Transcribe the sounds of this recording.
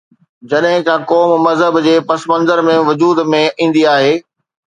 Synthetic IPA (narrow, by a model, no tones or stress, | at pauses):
d͡ʑɐɗɦɪ̃kãːkɔːmmɐzɦəbd͡ʑeːpɐsmə̃nzəɾmẽʋʊd͡ʑuːd̪mẽĩːn̆d̪iaːɦeː